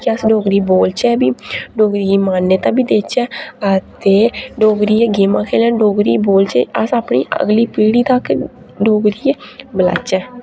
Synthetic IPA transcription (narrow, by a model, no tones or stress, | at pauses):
kɪəsɖoːɡɾiːboːlt͡ʃɛːbiːɖoːɡɾiːmaːnːeːt̪ãːbiːd̪eːt͡ʃɛːət̪eːɖoːɡɾiːeːɡeːmãːkʰeːlɛːnɖoːɡɾiːboːlt͡ʃeəsaːpɳḭːʔə̰ɡliːpiːɽiːt̪ək | ɖoːɡɾiːeːbəla̰ːt͡ʃɛː